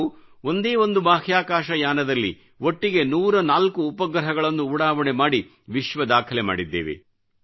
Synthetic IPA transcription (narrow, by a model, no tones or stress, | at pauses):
uo̞nd̪eːʋo̞nd̪ubaːhjaːkaːʃɐjaːnɐd̪ɐlːḭ | ʔo̞ʈːiɡe̞nuːɾɐnaːlkuːpɐɡɾɐɦɐɡɐɭɐnːuuːɽaːʋɐɳemaːɽi | ʋiʃʋɐd̪aːkʰɐlema̰ːɽid̪ːḛːʋḛ